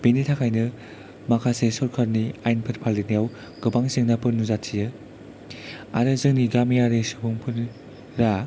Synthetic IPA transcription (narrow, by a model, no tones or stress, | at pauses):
binitʰakʰajnɯ | makʰasesɔɾkʰaɾniajnpʰɯɾpʰalinijaw | ɡ̥ɯbaŋsɯŋnapʰɯɾnuzatʰːijɯ | a̰ɾɯzɯŋniɡamijaɾɯsɯbʰuŋpʰɯn | ɾa